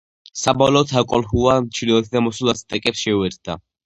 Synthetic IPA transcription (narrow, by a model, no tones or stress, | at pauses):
sabɔlɔːt̪ʰakʼɔlhuamt͡ʃʰilɔɛt̪ʰd̪amɔsulˠast̪ʼɛkʼɛpsʃɛuɛɾt̪̚d̪a̰